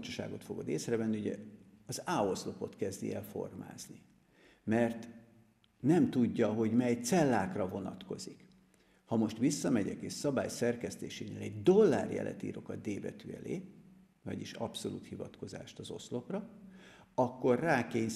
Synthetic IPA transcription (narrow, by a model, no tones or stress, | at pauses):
t͡ʃu̥ʃa̰ːɡo̞t̪fo̞ɡo̞d̪eːsrɛvɛnːiuɟɛ̰ɒzaːo̞slo̞po̞t̪kɛzd̪iɛlfo̞̰rma̰ːzni | mɛrt̪ | nɛmt̪uɟːɒɦo̞ɟmɛjt̪sɛlːaːkrɒvo̞nɒt̪ko̞zik | hɒmo̞ʃt̪ʋisːɒmɛɟɛkeːsɒba̰ːjsɛrkɛst̪eːʃeːneːlɛɟd̪o̞lːaːrjɛ̰lʔɛ̰t̪ḭːɾo̞kɒd̪d̪eːbɛt̪yːɛ̰lḛː | vɒɟiʃɒpso̞lṵːt̪hivɒt̪ko̞za̰ːʃt̪ɒzo̞sloprɒ | ɒkːo̞rːaːkeːɲ